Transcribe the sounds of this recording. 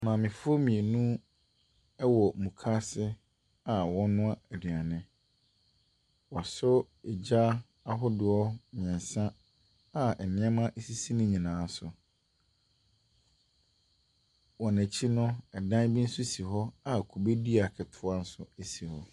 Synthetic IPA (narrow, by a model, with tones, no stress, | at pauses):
mãː˨mɪ̃˨fʊ˦ɔ˦mĩ˨e˨nũ˦ | ɛ˦wɔ˨mũ˨kʰa˦sɪ˦ | a˨wɔ̃˦nʊ̃˦a˦ɛ˨dɥa˨nɪ̃˦ | wɔ˨sʊ˦ | ɛ˨d͡ʑa˦ | a˨ɦʊ˦dɪ˨ɔ˦ɲ˨ɛ̃˨n˨sã˦ | a˨ɛ˨nɪ̃˦a˦mã˦ʔe˦si˦si˦nʊ̃˦ɲĩ˨nãː˨˦sʊ˨ | wɔ˨næ̃˨t͡ɕʰi˦nʊ̃˦ɛ˨dã˦n˦bi˦n̩˦su˦si˨ɦɔ˦a˨kʰu˨be˦di˦a˨kʰɛ˨tʰʊ˦a˦n̩˦sʊ̰˨æ˨si˨hɔ˨